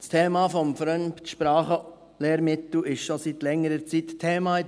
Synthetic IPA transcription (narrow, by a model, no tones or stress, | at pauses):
st̪ʰeːmɑːfɔmfɾœnpt̪ʃpɾɑːχə | leːɾmɪt̪l̩ɪʃʃɔsit̪lɛŋːəɾət͡sit̪tʰːeːmɑːɪ